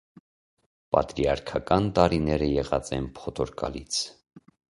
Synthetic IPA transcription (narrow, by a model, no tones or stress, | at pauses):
pɑt̪ɾiɑɾkʰɑkɑnt̪ɑɾinɛɾəjɛʁɑt͡sɛ̰npʰɔt̪ʰɔɾkɑ̰lit͡sʰ